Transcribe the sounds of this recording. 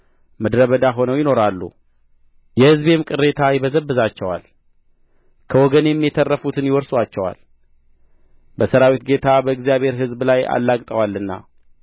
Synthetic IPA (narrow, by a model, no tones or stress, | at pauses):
məd̪ɾəβəd̪aɦo̞nəwjɪno̞ɾalːṵ | jɛhɨzbemkʼɨrːe̞t̪ʰajɪβəzəβːəzat͡ʃːɛwa̰l | kʰəwɔɡənjɛmːijɛt̪ʰərːəfut̪ʰɨnjɪwɔɾswat͡ʃːɛwa̰l | bəsəɾawit̪ɡe̞t̪ʰabəɨɡzijaβhe̞ɾɦɨzblaja̰lːakʼt̪ʼəwalːɨnːa̰